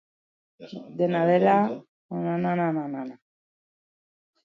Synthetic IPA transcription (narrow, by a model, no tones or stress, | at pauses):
d̪enaðela | nanananananana